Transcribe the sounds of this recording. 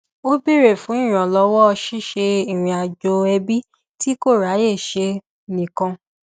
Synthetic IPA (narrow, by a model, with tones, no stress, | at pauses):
o˦bi˦˨ɾe˦˨fũ˨˦ĩ˦˨ɾ̃ɔ̃˨lɔ˧˦wɔ˦ɔ˧ʃi˦˨ʃe˧i˨ɾ̃ĩ˧a˨d͡ʒo˧ɛ˧bi˦ | ti˦ko˦˨ɾa˨˦je˦˨ʃe˧ | nĩ˨kã˧